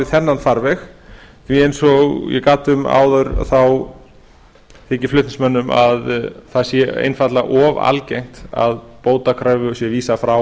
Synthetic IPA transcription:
ɪθɛnːanfaɾvɛx | viejnsɔɣjɛ̰kaːt̪ʏma̰ːwðœɥɾθaw | θɪːcɪflʏht̪nɪsmœnːʏmʔa̰ðθaðsjɛḛjnfat̪laʔɔva̰lcejŋ̥t̪a̰ðpoːwt̪akʰɾœːɥvʏɔsjɛviːsafɾaw

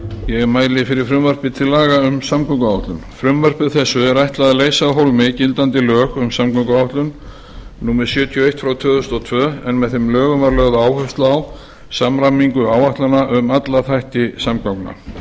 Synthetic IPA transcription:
jɛɣɛɾmaːjlɪfɪɾɪɾ̥fɾʏmvɛr̥pɪt̪ʰɪlːaːɣaʏmsamkʰɔŋkaawht̪lʏnfɾʏmvœr̥pɪðθɛsːʏɛɾajht̪laðɪleːjsaðɦowlmɪcɪlt̪ant̪ɪlœːxʏmsamkɔŋkaawht̪lʏn | nuːmɛɾ̥sjœːt̪ʰijɔejht̪fɾawt̪ʰœːðʏst̪ɔt̪ʰvœːɛnmɛðθɪmlœːɣʏmvaɾlœɣðaaːwhœɥst̪laːw | samɾamiŋkʏaːwaht̪lanaʔʏmat̪laθajht̪ɪsamkakna̰

